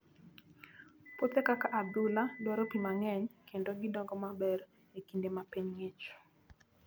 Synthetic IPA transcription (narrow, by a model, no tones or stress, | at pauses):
pot̪ekakaʔaduladwɔɾɔpimaŋɛɲkʰendoɡɪdɔŋɡɔmabɛɾ | ekindemapeɲŋet͡ʃ